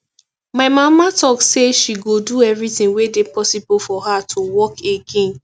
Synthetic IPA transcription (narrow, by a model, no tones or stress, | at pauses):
maɪmamatɔkseʃiɡoduɛvɹitɪ̃ŋwedepʰɔsibʊlfɔhatʰowɔkeɡẽn